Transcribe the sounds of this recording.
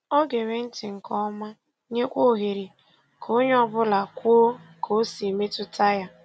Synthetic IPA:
o˦ɡe˨ɾe˨n̩˦tɪ˨ŋ̩˨kɔ˦ma˦ | ɲe˦kʷo˦˨ɦe˨ɾi˨ | kʰo˦ɲ˦ɔ˦bʊ˦la˨kʷo˦o˦kʰo˨˦si˨me˦tʊ˦ta˦ja˦

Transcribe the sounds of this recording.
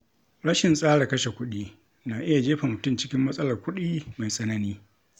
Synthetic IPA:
ɽɐ˦ʃɪ˨nsʼaː˦ɽa˨kɐ˦ʃe˨kʷʊ˦ɗiː˦ | naː˨ʔɪ˦ja˨d͡ʒeː˦ɸa˨mʊ˨tʊ˦mt͡ʃɪ̥˦kʲɪ˦mːɐ˦sʼɐ˦lɐ˨rkʷʊ˦ɗiː˦ma˨jsʼɐ˦nɐ˦niː˦

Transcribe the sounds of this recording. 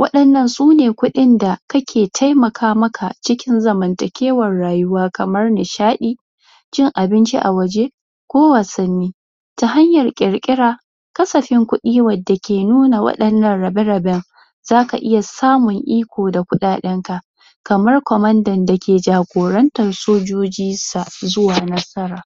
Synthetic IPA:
wɐ˦ɗɐ˨nːɐ˦˨nsuː˦neː˨kʷʊ˦ɗɪ˦nda˨kɐ˦kʲʰeː˨tʰa˦jmɐ˨kʰaː˦mɐ˦kʰa˨t͡ʃɪ˦kʲɪ˦nzɐ˨mɐ˨ntɐ˨kʲeː˦wɐ˨rːaː˨jʊ˦waː˦kɐ˨mɐ˦rnɪ˨ʃaː˦ɗiː˦ | d͡ʒɪ˦ŋʔa˨bɪ˦nt͡ʃḭ˦ʔa˨wɐ˨d͡ʒe˦ | kʷoː˦waː˨sɐ˦nːiː˦ | ta˨ɦa˦ɲjɐ˨rkʲʼɪ˨ɾkʲʼɪ˦ɽaː˦ | kɐ˦sɐ˨ɸɪ˦ŋkʷʊ˦ɗiː˦wɐ˨dːa˨kʲeː˨nuː˦na˨wɐ̰˦ɗɐ˨nːɐ˦nɽɐ˨bɛ˦ɾɐ˨bɛ˦ŋ | zaː˦ka˨ʔɪ˦ja˨saː˦mʊ˨ŋʔiː˦kʷoː˨da˨kʷʊ˦ɗaː˨ɗɛ˦ŋka˨ʔ | kɐ˨mɐ˦rkʷɔ˨mɐ˦ndɐ˨nda˨kʲeː˨d͡ʒaː˨ɡʷoː˨ɾɐ˦ntɐ˨rsoː˦d͡ʒoː˦d͡ʒiː˦sa˨zʊ˦waː˨nɐ˦sɐ˦ɾaː˨

